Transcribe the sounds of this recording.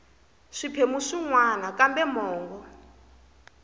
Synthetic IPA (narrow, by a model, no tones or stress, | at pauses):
ʂipʰemuʂiŋwanakambɛmɔːŋɡɔ